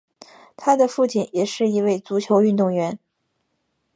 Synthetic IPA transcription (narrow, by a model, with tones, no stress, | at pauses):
t̪ʰa˥d̪ə˨fu˥˩t͡ɕʰi˨˩njɛ˨˩ʂɻ̩˥˩i˧˥we˥˩ɪt͡su˧˥t͡ɕʰjo˧˥ʊy˥˧nt̪ʊ˥˩ŋɥɛ˧˥n